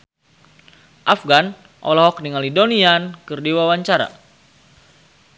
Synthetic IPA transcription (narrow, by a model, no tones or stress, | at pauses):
ʔafɡan | ʔɔ̰lɔɦɔkniŋalidoniankɨrdiwawaɲt͡ʃaɾa̰